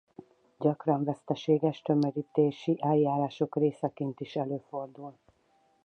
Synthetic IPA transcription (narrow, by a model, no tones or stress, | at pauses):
ɟɒkrɒɱvɛst̪ɛʃeːɡɛʃt̪ømøɾit̪eːʃiʔɛjːaːɾaːʃo̞kreːsɛkeːnt̪iʃɛløːfo̞rd̪ul